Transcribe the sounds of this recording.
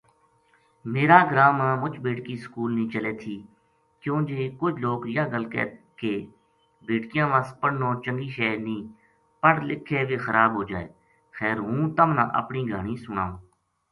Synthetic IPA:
meːɾaːɡɾaːmãːmʊt͡ʃbeːʈkiːskuːlnĩːt͡ʃəleːt̪ʰiː | kjõːd͡ʒeːkʊd͡ʒʰloːkjaːɡəlkɛ̰ː | keː | beːʈkɪjãːʋaːspəɽnoːt͡ʃəŋɡiːʃɛːnĩː | pəɽlɪkʰːeːʋeːxəɾʔaːbɦoːd͡ʒaːeː | xɛːɾɦũːt̪əmnã̰ːʔə̰pniːɡʱaːɳĩːsʊɳa̰ːõː

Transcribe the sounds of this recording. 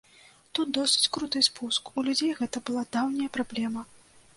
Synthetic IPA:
t̪ut̪̚d̪ɔsɨ̥t͡sʲkɾut̪ɨspuskulʲud͡zʲejɣɛt̪ɐbɨlˠad̪awnʲɐjɐpɾablʲɛmɐ

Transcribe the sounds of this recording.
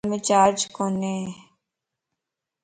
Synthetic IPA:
mẽt͡ʃaːɾd͡ʒkone

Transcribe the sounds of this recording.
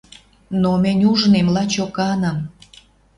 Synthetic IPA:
nomenʲuʒnemlɑt͡ɕokɑnəm

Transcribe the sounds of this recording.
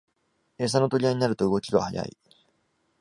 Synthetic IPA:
e̞ːs̬anot̪o̞ɾʲiaɲ̟inaɾɯ̟t̪o̞ɯ̟ɡo̞kʲid̪oahaja̰ḭ

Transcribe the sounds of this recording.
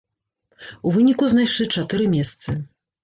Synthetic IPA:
uvɨnʲikuznajʂlʲit͡ʂat̪ɨɾɨmʲɛst̪sɨ

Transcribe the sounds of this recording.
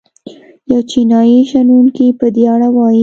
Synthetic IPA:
jawt͡ʃinɑjiʃanuŋkipəd̪eaɽawɑji

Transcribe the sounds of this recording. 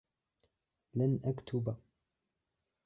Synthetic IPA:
lanʔakt̪ʰʊba

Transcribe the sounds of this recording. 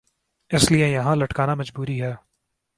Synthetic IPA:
ɪsliejɐɦãlɐʈkaːnamɐd͡ʒbuːɾiɦɛː

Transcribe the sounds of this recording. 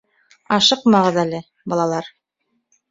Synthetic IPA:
ɑʃɤqmɑʁɤðælɘ | bɑlˠɑlˠɑɾ

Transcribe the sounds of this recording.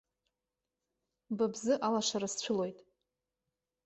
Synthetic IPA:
babzɨʔalaʂaɾast͡ɕʷʰʊlo̞jtʼ

